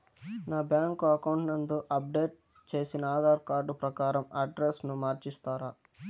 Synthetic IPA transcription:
naːbjaːŋkuɐkɐwɳʈnɐnd̪uʔɐp̚ɖe̞ːʈ̚ | t͡ʃe̞ːsinɐaːd̪aːɾkaːɾɖupɾɐkaːɾɐmɐɖɾesnumaːɾt͡ʃist̪aːɾaː

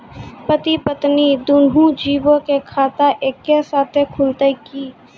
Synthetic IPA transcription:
pət̪ipət̪nid̪ʊnɦũd͡ʒiːbõkekʰaːt̪aʔeːkːesaːt̪ʰekʰʊlt̪əkiː

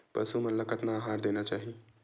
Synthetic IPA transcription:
pəsumeləkət̪naːɦaɾd̪enat͡ʃaːɦi

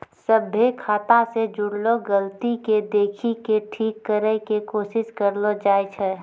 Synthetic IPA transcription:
səbʱekʰaːt̪ased͡ʒʊɽloɡəlt̪iked̪eːkʰikeʈʰiːkːəɾɛkekoːʃɪʃkəɾlod͡ʒaːet͡ʃʰɛ

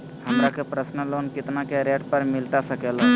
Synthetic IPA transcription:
həmɾakepɾəsnəloːnkɪt̪nakeɾeːʈpəɾmɪlt̪asəkela

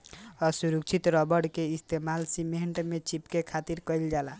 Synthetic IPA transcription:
ɔsuɾuk̚t͡ʃʰit̪ɾɔbəɽkeist̪ʰemalsimeɳʈmet͡ʃipkekʰat̪iɾkəjld͡ʒala

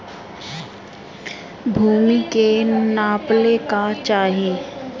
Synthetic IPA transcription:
bʱuːmikenaːplekat͡ʃaːɦieː

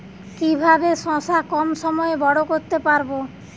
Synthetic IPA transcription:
kibʱabeʃɔ̃sakɔmʃɔmɔebɔɽokoɾt̪epaɾbo

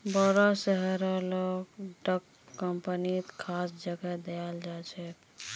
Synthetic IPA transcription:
bəɾɔsəɦəɾɛloɡɖəkː | əmpənit̪kʰasd͡ʒəɡɛd̪eald͡ʒat͡ʃʰɛ

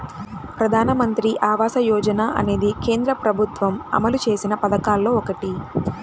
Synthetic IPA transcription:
pɾɐd̪ʱaːnɐmɐnt̪ɾiʔaːʋaːsɐjɔːd͡ʒɐnaːʔɐ̰ne̞ːd̪ike̞ːnd̪ɾɐpɾɐbʱut̪ʋɐmɐ̰mɐlut͡ʃe̞ːsinɐpɐd̪ɐkaːlːo̞ːɔkɐʈi

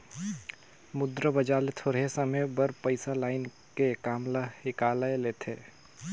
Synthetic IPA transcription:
mʊd̪ɾəbəd͡ʒaːlet̪ʰoːɽesəməjbəɾpəɪsalaːɪn | kekaːmlahɪkaːlaeleːt̪ʰeː

